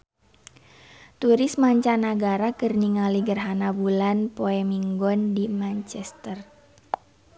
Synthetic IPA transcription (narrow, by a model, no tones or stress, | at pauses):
t̪uɾɪsmaɲt͡ʃanaɡaɾakərniŋaliɡərɦanabulanpoɛmiŋɡɔndimant͡ʃɛst̪ər